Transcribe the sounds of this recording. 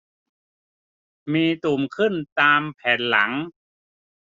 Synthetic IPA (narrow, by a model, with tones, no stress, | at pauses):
miː˧t̪u˨˩mkʰɯ˥˩nt̪aː˧mpʰɛː˩˦nla̰˩˦ŋ